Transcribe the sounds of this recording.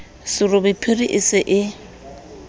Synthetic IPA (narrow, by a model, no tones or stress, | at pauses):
sɪrʊbɪpʰɪriʔɪsɪʔɪ